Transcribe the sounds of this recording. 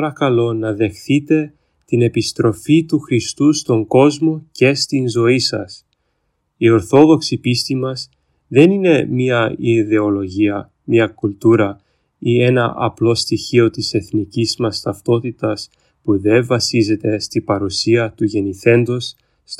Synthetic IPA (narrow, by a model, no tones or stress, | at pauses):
ɾɐkɐlo̞nɐðe̞xθit̪e̞ | t̪ine̞pist̪ɾo̞fit̪uxɾist̪ust̪o̞ŋɡo̞zmo̞ce̞st̪inzo̞isɐ̰s | io̞ɾθo̞ðo̞ksipist̪imɐs | ðe̞nine̞miɐiðe̞olo̞ʝiɐ | miɐkult̪uɾɐ | ie̞nɐʔɐ̰plo̞st̪içio̞t̪ise̞θnicizmɐst̪ɐft̪o̞t̪it̪ɐs | puðe̞vɐsize̞t̪e̞st̪ibɐɾusiɐt̪uʝe̞niθe̞nd̪o̞sː